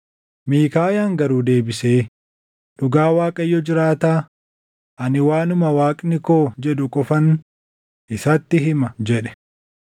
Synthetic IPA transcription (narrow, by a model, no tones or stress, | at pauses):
miːkaːjaːŋɡɐɾuːd̪e̞ːbɪseː | ɗʊɡaːwaːkʼɐjːɔd͡ʒɪɾaːt̪aː | ʔɐnɪwaːnʊmɐwaːkʼnɪko̞ːd͡ʒɛɗʊkʼɔfɐn | ʔɪsɐt̪ːɪɦɪmɐd͡ʒɛᶑɛ̥